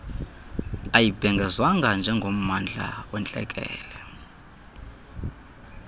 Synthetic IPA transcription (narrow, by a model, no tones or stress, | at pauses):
ajib̥ʱɛŋɡʱɛzwaŋɡʱand͡ʒʱɛŋɡʱom̩mand͡ɮʱa̰wɛnt͡ɬʼɛ̰kʼɛ̰ːlɛ